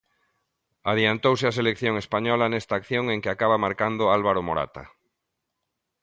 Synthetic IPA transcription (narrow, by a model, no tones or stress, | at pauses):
aðjant̪ows̬eas̬elekθjoŋespaɲɔlanest̪aːkθjoŋeŋkeakaβamaɾkand̪oalβaɾomoɾa̰t̪a̰